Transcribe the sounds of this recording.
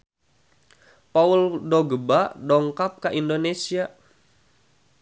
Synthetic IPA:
pauldoɡəbadɔŋkap̚kaʔindonesia

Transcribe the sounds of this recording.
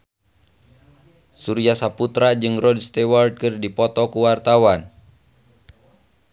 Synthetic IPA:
suɾiasaput̪ɾad͡ʒɨŋrɔdst̪ɛward̚kɨrdipɔt̪ɔkuwart̪awan

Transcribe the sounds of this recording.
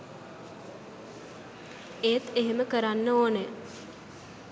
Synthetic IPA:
eːt̪eɦeməkəɾanːəoːne

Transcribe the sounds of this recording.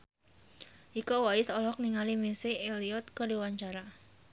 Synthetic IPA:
ʔikɔwaɪsɔlɔk̚niŋalimisiːliɔt̪̚kɔdiwaɲt͡ʃaɾa

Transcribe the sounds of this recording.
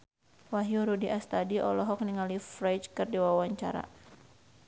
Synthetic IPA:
waɦjuɾudiʔast̪adiʔɔlɔɦɔk̚niŋalifɾat͡ʃkɨrdiwawaɲt͡ʃa̰ɾa̰

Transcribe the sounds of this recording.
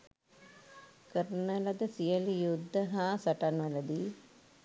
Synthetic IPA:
kəɾənəlɐd̪əsijəlijud̪ʱːəɦaːsɐʈanʋələd̪iː

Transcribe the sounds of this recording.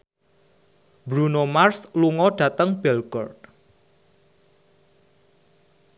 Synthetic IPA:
bɾunomarsluŋɔɖ̥ä̤t̪əŋb̥ɛlɡɔ̰rd̚

